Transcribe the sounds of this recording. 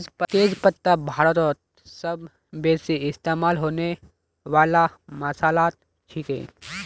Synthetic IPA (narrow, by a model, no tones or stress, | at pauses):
d͡ʒpt̪eːd͡ʒpət̪ːabʱaːɾət̪ɔt̪̚ | sɐb | beːsiɪst̪eːmaːlɦoːne | ʋaːlamɐsaːlaːt̪̚ | t͡ʃʰikḛ̃